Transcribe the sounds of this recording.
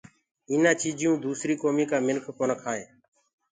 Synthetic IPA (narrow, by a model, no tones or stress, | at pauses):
iːnaːt͡ʃiːd͡ʒɪjũːd̪uːsɾiːkoːmiːkaːmɪnkʰkoːnəkʰaːẽː